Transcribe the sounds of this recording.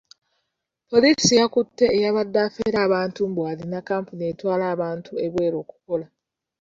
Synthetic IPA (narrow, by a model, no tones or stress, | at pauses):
po̞lisijakutːe̞ːjaβadːaːfeːɾaːβaːntumbwaːlinakːaːmpunietwaːlaːβaːntʰue̞βwe̞ːɾo̞ːku̥ko̞la